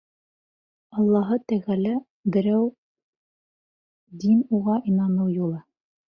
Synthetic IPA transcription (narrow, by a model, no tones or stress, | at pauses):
ɑlˠːɑɦɤt̪æɣælæ | bɘ̆ɾæw | d̪inuʁɑʔinɑnɤwjulˠɤ